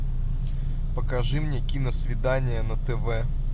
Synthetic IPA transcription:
pɐkɐʐɨmnʲekʲinɐsʲʋʲɪd̪anʲɪjɐnɐt̪ɛʋɛ

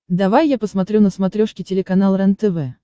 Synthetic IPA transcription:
d̪ɐvajːapəsmɐt̪ɾʲunəsmɐt̪ɾʲoʂkʲɪtʲɪlʲɪkɐnalˠrɛnt̪ɛvɛ

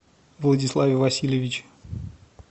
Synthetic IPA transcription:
vlˠədʲɪslˠavʲɪvɐsʲilʲjɪvʲɪt͡ɕ

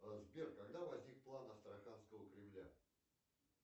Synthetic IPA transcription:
əzbʲerkkːɐɡd̪avɐzʲnʲik̚plˠanɐst̪ɾɐxanskəvəkɾʲɪmlʲa

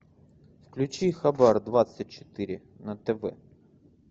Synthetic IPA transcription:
wklʲʊt͡ʃijxɐbɛrd̪ʋɑt̪sʲɐt̚ʲt͡ʃo̥t̪ɪɾʲɪ | nɐt̪eʋɛ̰

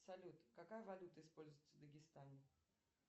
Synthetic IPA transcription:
sɐlʲut̪kɐkajəvɐlʲut̪əɪspolʲzʊjɪt̪ʲːəvd̪əɡʲɪst̪anʲɪ

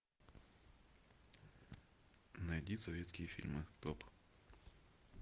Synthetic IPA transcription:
nɐjdʲisɐvʲet̪skʲɪjəfʲḭlʲmɨt̪op

